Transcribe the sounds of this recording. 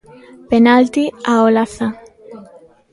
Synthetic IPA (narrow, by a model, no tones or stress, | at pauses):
penalt̪iaolaθa